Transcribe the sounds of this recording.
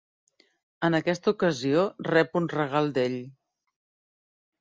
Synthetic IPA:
ənəkɛst̪əukəziorɛpunrəɣ̞alˠd̪eʎ

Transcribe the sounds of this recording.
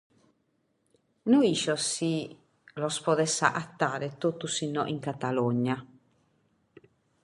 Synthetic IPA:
nuiʃɔsi | lɔspɔðɛsːa̰ʔat̪ːaːɾɛt̪ot̪ːusinːɔ̰ʔiŋkat̪alɔɲːa

